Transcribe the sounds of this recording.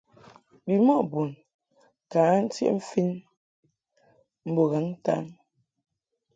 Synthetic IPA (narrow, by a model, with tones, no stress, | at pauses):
bi˨mɔ˦˨ʔbu˨n | kaː˨˦n̩˦tḭ˦ʔm̩˦fi˦n | m̩˨bo˨ɣa˨˦ŋ˦ta̰˦n